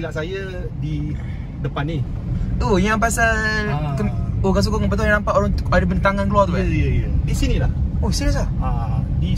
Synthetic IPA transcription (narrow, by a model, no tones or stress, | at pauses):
ilaʔsaja | di | dəpaniojaŋp̬asakəokas̬ukoŋamp̬at̪uajãɾampat̪oɾaŋadəbənət̪aŋankəluart̪upadisinĩlahoisilas̬aa | di